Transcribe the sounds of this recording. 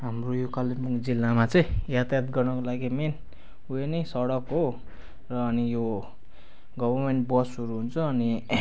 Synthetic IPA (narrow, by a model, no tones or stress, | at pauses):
ɦamrojokalːimpukd͡zilːamat͡sʌj̃jat̪ajat̪ɡʌrnʌkolaɡimen | uenʌsʌɽʌkɦo | rʌːnijo | ɡʌbʌrmenʈbʌsuɾuɦunt͡sʰʌːni